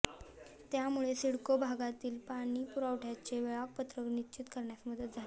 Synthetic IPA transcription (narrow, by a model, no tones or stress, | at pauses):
t̪jamuɭesiɽkobʱaɡat̪iːlpaɽ̃iːpuɾaʋʈʰjat͡ɕeʋeɭak̚pət̪ɾəknit͡ɕit̪kəɾɳjasməd̪ət̪̚d͡zʱale